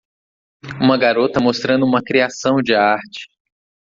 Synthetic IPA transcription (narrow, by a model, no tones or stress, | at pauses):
ũmɐɡaɾot̪ɐmost̪ɾɐ̃nd̪ʊũmɐkɾiasɐ̃w̃d͡ʒɪaɾt͡ʃɪ̥